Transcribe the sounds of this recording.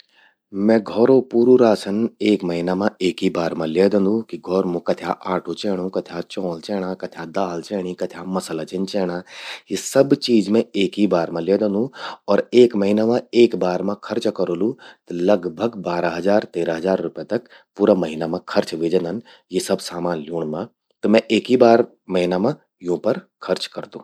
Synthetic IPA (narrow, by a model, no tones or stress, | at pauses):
mɛ̃ːɡʱɔːɾopuːɾuɾaːsəneːkmɐɦɪnamãeːkibaːɾmãleːd̪ə̃nd̪ũkiɡʱɔːɾmõkɐt̪ʰjaːʔaːʈʰot͡ʃɛːɽ̃ũkɐt̪ʰjat͡ʃɔ̃ːlt͡ʃɛːɽ̃akɐt̪ʰjad̪aːlt͡ʃɛːɽ̃ikɐt̪ʰjamɐsəlat͡ʃɪ̃nt͡ʃɛːɽ̃aːjesɐbt͡ʃiːd͡ʒmẽeːkibaːɾmãleːd̪ə̃nd̪ũɔːɾeːkmɐɦɪnamãeːkbaːɾmãkʰɐɾt͡ʃkɐɾoːlut̪lɐɡbʱəɡbaːɾaɦɐzaːɾt̪eːɾaɦɐzaːɾːʊpet̪ɐk | puːɾamɐɦɪnamãkʰɐɾt͡ʃʋɪd͡ʒənd̪ən | jesɐbsaːmãːnljuːɳ̃mã | t̪ɐmɛ̃ʔeːkibaːɾ | mɐɦɪnamã | jõpɐɾ | kʰɐɾt͡ʃkɐɾd̪ũː